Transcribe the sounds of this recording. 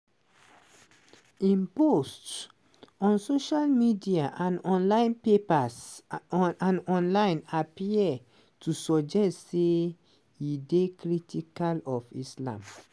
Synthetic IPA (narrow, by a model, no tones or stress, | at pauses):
ĩmpost | ɔ̃nsoʃalmidiaʔãnɔ̃nlãɪ̃npepas | ãnɔ̃nlãɪ̃napiɛ | tʰusɔd͡ʒɛstse | jidekɹitʰikalɔfislã̰m